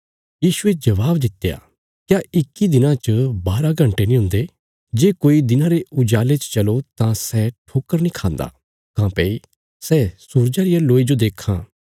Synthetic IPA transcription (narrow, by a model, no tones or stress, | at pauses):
jiːʃʊed͡ʒɐʋaːbd̪ɪt̪ːeja̰ː | kjaɪkːid̪ɪnãt͡ʃəbaːɾaɡʱɐ̃ɳʈenĩɦʊ̃nd̪e | d͡ʒeːkoːid̪ɪnãɾeʊd͡ʒaːlet͡ʃt͡ʃɐlot̪ãsɛːʈʰoːkːəɾnĩkʰãːnd̪a̰ː | kãːpeːi | sɛːsuɾd͡ʒaɾɪjaloːid͡ʒod̪eːkʰːã̰ː